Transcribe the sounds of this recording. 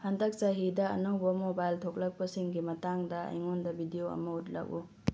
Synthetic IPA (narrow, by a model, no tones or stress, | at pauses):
hɐndɐk̚saɦidɐɐ̰nowbɐmobajltʰok̚lɐk̚pɐsiŋɡimɐtaŋdɐɐ̰jŋondɐbidijoɐ̰mɐut̚lɐ̰ku